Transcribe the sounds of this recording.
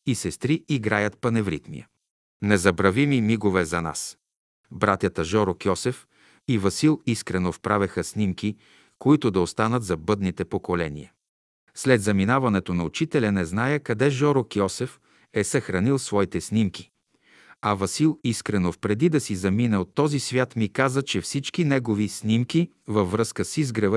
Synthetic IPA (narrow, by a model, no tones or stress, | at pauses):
isɛst̪ɾiʔiɡɾajət̪pɐnɛvɾḭt̪nḭjə̰ | nɛzɐbɾɐvimimiɡovɛzɐna̰s | bɾat̪ʲjət̪əʒɔɾokjɔsɛf | ivɐsilˠiskɾɛnofpɾavɛxəsnimki | koit̪ʊd̪ɐost̪anət̪zɐbɤd̪nit̪ɛpokolɛnḭjɐ | slɛd̪zɐminavɐnɛt̪onɐʊt͡ʃit̪ɛlʲɐnɛznajəkɐd̪ɛʒɔɾokjɔsɛf | ɛsɐxɾɐnilˠsvɔit̪ɛsnimki̥ | ɐvɐsilˠiskɾɛnofpɾɛd̪id̪ɐsizɐminɛot̪ːɔzisvʲjat̪mikazət͡ʃɛfsit͡ʃkinɛɡovisnimki | vɐvːɾɤskəsizɡɾɐv